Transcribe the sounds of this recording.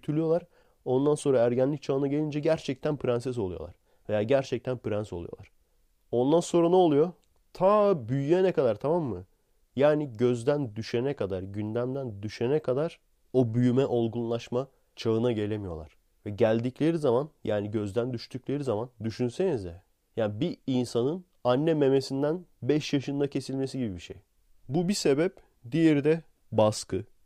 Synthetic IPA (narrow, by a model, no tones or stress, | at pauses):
t̪ʰylʲyjo̞lˠaɾ | o̞nd̪anso̞nɾaæɾɟænlʲic̚t͡ʃʰaɯnaɟe̞lʲind͡ʒɛɟæɾt͡ʃʰɛc̚t̪ʰænpʰɾansɛs̬o̞lˠujo̞̰lˠa̰ɾ̥ | vejaːɟæɾt͡ʃʰɛc̚t̪ʰænpɯɾɛnso̞lˠṵjolˠa̰ɾ̥ | o̞nd̪anso̞nɾanɛolˠujo̞ | t̪ʰaːbyjyjɛnɛkad̪aɾt̪ʰamamːɯ | jaːniɟø̞zd̪ænd̪yʃenɛkʰad̪aɾɟynd̪æmd̪ænd̪yʃenɛkʰad̪aɾ̥ | o̞byjymɛʔo̞lˠɡunlˠaʃma | t͡ʃʰaɯnaɟe̞lʲe̞mijo̞̰lˠa̰ɾ̥ | vɛɟælʲd̪iclʲe̞ɾizamanjʔaːniɟø̞zd̪ænd̪yʃt̪ʰyclʲe̞ɾizamand̪yʃynse̞nizjɛ | jaːnbiinsanɯn | anːɛme̞me̞sind̪ænbɛʃjaʃɯnd̪acʰe̞silʲme̞siɟibibiʃej | bubise̞bɛp̚ | d̪ijeɾid̪ɛ | baskɯ